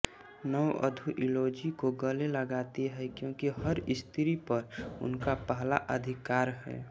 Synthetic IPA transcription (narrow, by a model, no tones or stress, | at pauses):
nəwə̰d̪ʱuʔɪloːd͡ʒikoɡəleləɡaːt̪eɦɛkjõːkiɦəɾɪst̪ʰɪɾipəɾʊ̰nkapəɦla̰ʔəd̪ʱɪkaːɾɦɛ̰ː